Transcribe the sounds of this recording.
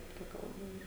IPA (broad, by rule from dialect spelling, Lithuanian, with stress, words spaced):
ˈtɐ ˈkɐlˠbɐ ˈiːr